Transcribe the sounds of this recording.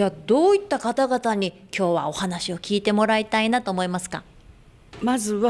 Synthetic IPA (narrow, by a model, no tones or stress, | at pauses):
ad̪o̞ːit̪ːakat̪aɡat̪aɲ̟ikʲʰo̞ːβao̞hanaɕio̞kʲiːt̪e̞mo̞ɾait̪ainat̪o̞ːmo̞imasɨ̥ka̰ | mazɨβa